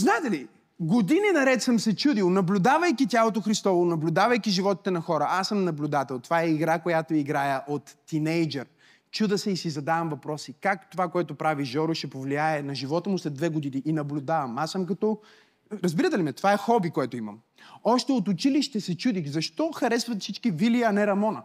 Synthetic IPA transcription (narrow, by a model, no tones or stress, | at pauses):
znaɛt̪ɛli | ɡod̪ininɐɾɛt̪səmsɛt͡ʃud̪ilˠnɐblʲʊd̪avəjkʲit̪ʲjalˠot̪̬oxɾist̪ɔvonɐblʲʊd̪avəjkʲiʒivɔt̪i̥t̪ɛnɐxɔɾəʔasəmnɐblʲʊd̪at̪ɛlˠt̪ovaɛiɡɾakojat̪oiɡɾajəʔot̪ːinɛjd͡ʒɛɾ | t͡ʃud̪əsɛisizɐd̪avɐmvɐpɾɔsikakt̪ovakoɛt̪ʊpɾaviʒɔɾoʃɛpovliaɛnɐʒivɔt̪əmʊslɛd̪d̪vɛɡod̪iniʔːnɐblʲʊd̪avɐmasəmk̬ɐt̪ɔ | ɾɐzbiɾət̪ɛlimɛt̪ovaɛxɔbikoɛt̪oimɐ̰m | ɔʃt̪ɛot̪ʊt͡ʃiliʃt̪ɛsɛt͡ʃud̪ixzɐʃt̪ɔxɐɾɛsvɐt̪fsit͡ʃkiviliəːnɛɾɐmɔnə